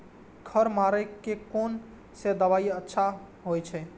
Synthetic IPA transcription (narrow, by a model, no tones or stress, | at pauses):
kʰəɾmaɾəkːekon | sed̪əβaiətːʃʰa | ɦojt͡ʃʰɛ